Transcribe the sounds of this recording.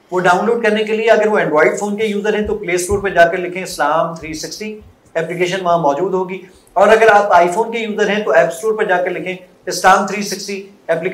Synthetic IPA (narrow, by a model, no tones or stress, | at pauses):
ʋoɖaːʊ̃nloːɖ̚kɐɾnekelieɐɡəɾʋoɛ̃ɳɖʋaːɪɖfʰoːnkejuːzəɾɦɛ̃t̪opleːsʈoːɾpɐɾd͡ʒaːkɐɾlɪkʰẽɪslaːmt̪ʰɾiːsɪksʈi | ɛːplɪkeːʃənʋɐɦãmɔːd͡ʒuːd̪ɦoːɡiː | ɔːɾɐɡəɾaːpaːifoːnkejuːzəɾɦɛ̃t̪oɛːpsʈoːɾpɐɾd͡ʒaːkɐɾlɪkʰẽː | ɪslaːmt̪ʰɾiːsɪksʈi | ɛːplik